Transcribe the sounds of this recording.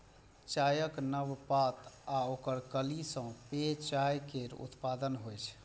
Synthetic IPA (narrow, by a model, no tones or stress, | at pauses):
t͡ʃajəknəʋpat̪aokəɾkəlisə̃pet͡ʃajkeɾṵt̪pad̪ənɦojt͡ʃʰ